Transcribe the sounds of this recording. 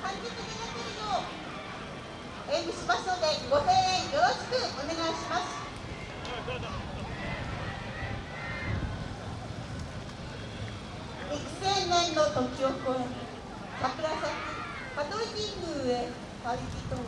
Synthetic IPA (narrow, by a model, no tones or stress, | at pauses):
kãŋkʲet̪ɯnʲiɡat̪eɾʲio | eniɕimasɨnod̪e̞ɡo̞sẽɰ̃ẽŋjoaɕi̥kɯʔone̞ɡaiɕimasɨ̥ | nʲiki̥sẽnnẽnːot̪okʲiokoẽ | sakɯ̟ɾasaki | pat̪oɾʲinʲĩŋɡɯ̟e | saikʲit̪o